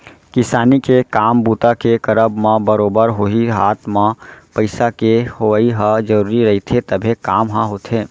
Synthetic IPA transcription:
kɪsaːnikekaːmbuːt̪akekəɾəbmãbəɾoːbəɾɦoiɦaːt̪ʰmãpəɪsakehoiɦãd͡ʒəɾuːɾiɾɐɦit̪ʰet̪əbʱekaːmɦãɦot̪ʰẽː

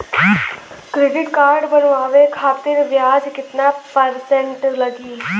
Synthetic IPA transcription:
kɾeːɖɪʈkaːɾɖbənʋaːʋekʰaːt̪ɪɾʋjaːd͡ʒkɪt̪napəɾsẽɳʈləɡiː

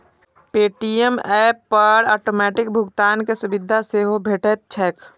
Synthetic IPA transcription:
peːʈijəmɛːpːəɾɔːʈoːmɛːʈɪk̚bʱʊɡt̪aːnkesʊbɪd̪ʱaseɦobʱeːʈət̪̚t͡ʃʰɛːk

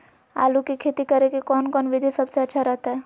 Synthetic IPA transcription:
a̰ːlukikʰeːt̪ikɐɾekekɔːnkɔːnʋɪd̪ʱesɐbseɐtːʃʰaɾɐɦt̪aɦɛː

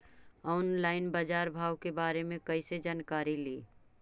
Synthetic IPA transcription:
ɔːnlaːɪnbad͡ʒaːɾbʱaːwkebaːɾemẽkɐɪsed͡ʒaːnkaːɾiliː

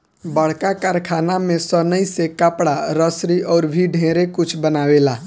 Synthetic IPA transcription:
bəɽ̤kakaɾkʰanamẽsənəisekəpɽaɾəsɾiʔɔːɾbʱiɖʱẽɾekut͡ʃʰbənaːwela

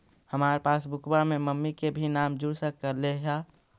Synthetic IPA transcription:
həmaːɾepaːsbʊkʰbamẽməmːikebʱinaːmd͡ʒʊɽsəkːəɾleɦa

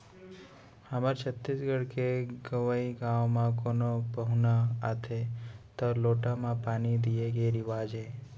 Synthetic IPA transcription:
haməɾt͡ʃʰət̪ːisɡəɽkeɡəʋəiɡãʋmãkonobəɦunaat̪ʰet̪əɾloʈamãpanid̪ieɡeɾiʋad͡ʒe

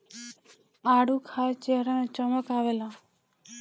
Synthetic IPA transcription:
aɽukʰaɾt͡ʃeɦɾanet͡ʃəməkaʋela

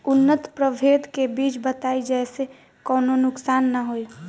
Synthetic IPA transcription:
ʊnːət̪pɾəbʱeːd̪kebiːt͡ʃbət̪aːid͡ʒɛːse | kəːnonʊksaːnːəɦoi

